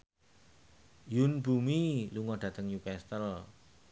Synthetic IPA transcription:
junbumiluŋɔɖ̥ä̤t̪əŋjukɛst̪əl

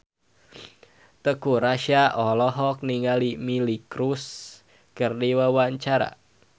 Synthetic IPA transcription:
t̪əkuɾaʃaʔɔlɔɦɔk̚niŋalimilikɾus | kɨrdiwawaɲt͡ʃaɾa̰

